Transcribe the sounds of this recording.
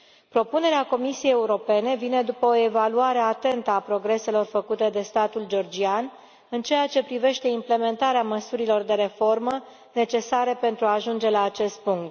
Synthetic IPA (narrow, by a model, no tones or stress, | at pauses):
pɾo̞pune̞ɾeako̞misije̞jeuɾo̞pe̞ne̞vine̞d̪upəoe̞valuaɾe̞at̪e̞nt̪əapɾo̞ɡɾe̞se̞lo̞rfəkut̪e̞d̪e̞st̪at̪uld͡ʒo̞rd͡ʒian | ɨnt͡ʃe̞jat͡ʃe̞pɾive̞ʃt̪e̞imple̞me̞nt̪aɾeaməsuɾilo̞rd̪e̞ɾe̞fo̞rmə | ne̞t͡ʃe̞saɾepe̞nt̪ɾuaːʒund͡ʒe̞laːt͡ʃe̞st̪̚puŋkt̪